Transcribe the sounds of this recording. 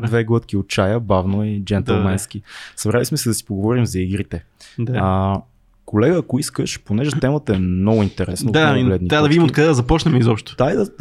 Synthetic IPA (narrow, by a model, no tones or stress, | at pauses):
d̪vɛɡlˠɤt̪k̟iot͡ʃajəbavnoid͡ʒɛnt̪ɛlˠmɛnsk̟isɐbɾalismɛsɛd̪ɐsi̥poɡovɔɾimzɐiɡɾit̪ɛ | d̪aə | kolɛɡəːkoiskəʃponɛʒɛt̪ɛmət̪əɛmnɔɡʊint̪ɛɾɛ̰snəalɛd̪niad̪ɐvid̪imot̪kɐd̪ɛd̪ɐzɐpɔt͡ʃnɛmɛizɔpʃt̪ʊ̥d̪aid̪ɐ